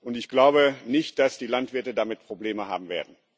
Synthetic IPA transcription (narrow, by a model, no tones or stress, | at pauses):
ʔʊntɪçɡ̥laʊbənɪçt̚d̥asd̥iːlantv̥ɪɐtədamɪt̚pʁ̥obleːməɦa̰ːbm̩vḛːɐdn̩